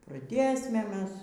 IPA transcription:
prɐˈdʲeːsʲmʲɛ ˈmʲɛs

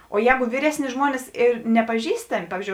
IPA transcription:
oː ˈjɛːɡʊ ˈʋʲiːrʲɛsʲˌnʲɪ ˈʒmuɔnʲɪs ɪr nʲɛpɐˈʒʲiːstɐmʲɪ ˈpɑːʋʲiːzʲˌd͡ʒʲoːʊ

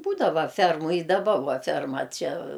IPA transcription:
ˈbuːdɐʋɐ ˈfʲɛrmʊ ɪ dɐˈbɐ ˈʋɐ ˈfʲɛrmɐ ˈt͡ʃʲɛ

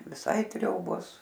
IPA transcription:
ʋʲɪˈsɐɪ ˈtʲrʲoːboːs

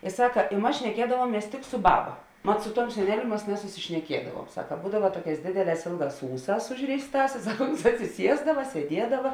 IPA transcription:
ɪ ˈsɑːkɐ ɪ ˈmɐs ʃʲnʲɛˈkʲiɛdɐʋuɔmʲiɛs tʲɪk sʊ ˈbɑːbɐ mɐt sʊ ˈtuɔm sʲɛˈnʲæːlʲʊ ˈmɐs nʲɛsʊsʲɪʃʲnʲɛˈkʲiɛdɐʋuɔm ˈsɑːkɐ ˈbuːdɐʋɐ ˈtuɔˌkʲɛːs ˈdʲeːdʲɛˌlʲɛːs ˈeːlˠˌɡɑːs ˈuːˌsɑːs ˈʊʒʲrʲeːɪsˌtɑːs ɪ ˈsɐk ʊns ɐtʲsʲɪˈsʲiɛzdɐʋɐ sʲiɛˈdʲiɛdɐʋɐ

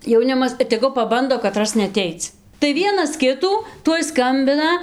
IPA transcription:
jɛʊˈnʲɪmɐs ɪr tʲɛˈɡʊ pɐˈbɐndoː kɐˈtrɐs nʲɛɐˈtʲɛɪt͡s tɐɪ ˈʋʲiɛnɐs ˈkʲɪtuː ˈtuɔj ˈskɐmʲbʲɪnɐ

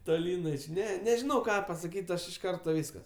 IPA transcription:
toːˈlʲiːn ɐʃ ˈnʲɛ nʲɛʒʲɪˈnɐʊ ˈkɑː pɐsɐˈkʲiːtʲ ˈɐʃ ɪʃ ˈkɐrtoː ˈʋʲiːskɐs

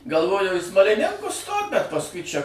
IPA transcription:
ɡɐlˠˈʋoːjɛʊ iː smɐlʲɪˈnʲɪŋkʊs stoːt bʲɛt pɐsˈkʊɪ ˈt͡ʃʲɛ

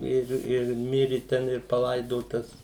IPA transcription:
ˈɪr ɪr ˈmʲɪrʲɪ ˈtʲɛn ɪr pɐˈlˠɐɪdoːtɐs

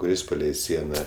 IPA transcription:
kʊˈrʲɪs pɐˈlʲɛɪ ˈsʲiɛnɐ

